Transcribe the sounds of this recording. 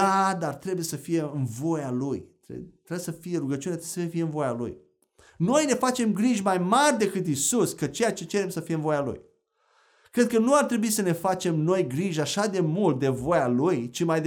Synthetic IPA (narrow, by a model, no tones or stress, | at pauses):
ad̪art̪ɾe̞buje̞səfije̞ɨnvo̞jalujt̪ɾḛt̪ɾebwjesəfije̞ɾuɡət͡ʃiunet̪ɾeesbsfijeɨnvo̞jalṵj | no̞jne̞fat͡ʃe̞mɡɾiʒʲmajmarʲd̪e̞kɨt̪̬isuskət͡ʃe̞jat͡ʃe̞t͡ʃe̞ɾe̞msəfijeɨnvo̞jalṵj | kɾe̞d̪̚kənuart̪ɾe̞buisəne̞fat͡ʃe̞mno̞jɡɾiʒaʃad̪e̞mult̪̚d̪e̞vo̞jalujt͡ʃimajd̪